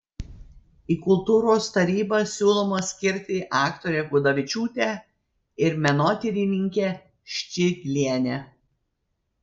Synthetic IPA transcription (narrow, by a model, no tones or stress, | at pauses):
iːkʊlˠt̪uːɾoːst̪ɐɾʲiːbɐsʲuːlˠoːmɐsʲkʲɪɾʲt̪ʲɪʔɑːkt̪oːɾʲeːɡʊd̪ɐʋʲɪt͡ʃʲuːt̪ʲe | ɪɾmʲɛnoːt̪ʲɪɾʲɪnʲɪŋʲkʲɛ | ʃʲt͡ʃʲɪɡʲlʲiɛnʲɛ